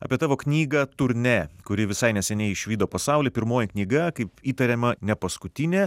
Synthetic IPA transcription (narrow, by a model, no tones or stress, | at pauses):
ɐ̰pʲiɛt̪ɑːʋoːknʲiːɡɐt̪ʊɾʲnʲɛːkʊɾʲɪʋʲɪsɐɪnʲɛsʲɛnʲɛɪɪʃʲʋʲiːd̪oːpɐsɑˑʊlʲeːpʲɪɾmoːjɪknʲiːɡɐkɐɪpiːt̪ɐɾʲɛːmɐnʲɛpɐskʊt̪ʲɪnʲeː